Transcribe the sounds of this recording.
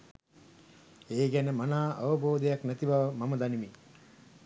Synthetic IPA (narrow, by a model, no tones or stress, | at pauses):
eːɡænəmanaːʔa̰ʋəboːd̪ejaknæt̪iʋaʋəmaməd̪animi